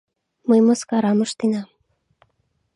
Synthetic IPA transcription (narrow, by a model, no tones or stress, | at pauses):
mɤjmoskɑɾɑmɤʃt̪enɑ